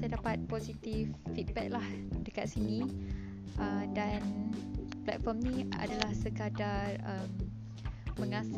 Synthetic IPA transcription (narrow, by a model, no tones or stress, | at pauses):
sajdapat̪̚posit̪ifːit̪̚bɛ̰k̚lahdəka̰t̪̚sinĩ | ʔədan | plɛ̰t̪̚fɔmnĩa̰dalahsəkadarəmː | ə̃ŋãs